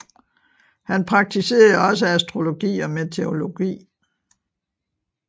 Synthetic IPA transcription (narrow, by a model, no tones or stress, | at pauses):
hænpʰʁɑ̈ɡ̥̚t͡sʰise̝̰ːɐðˠɒ̽s̬əæsd̥ʁo̝lo̝ɡ̥ḭːɒ̽met͡sʰe̝o̝lo̝ɡ̥ḭː